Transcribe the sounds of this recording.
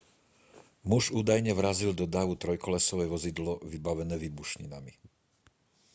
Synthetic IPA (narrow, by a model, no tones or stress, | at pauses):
muʒuːd̪ajɲɛʋɾazild̪ɔd̪aːʋut̪ɾɔjkɔlɛsɔʋɛjʋɔzid̪lɔʋibaʋɛnɛːʋibuʃɲḭnami